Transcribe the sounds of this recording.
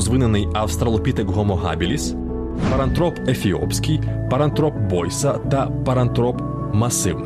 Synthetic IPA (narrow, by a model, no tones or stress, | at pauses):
zʋɪnɛnɪjɐwst̪ɾɐlˠɔpʲit̪ɪkɦɔmɔɦa̰bʲilʲis | pɐɾɐnt̪ɾɔpefʲiɔ̰psʲkʲɪjpɐɾɐnt̪ɾɔpbɔjsɐt̪ɐpɐɾɐnt̪ɾɔp | mɐsɪw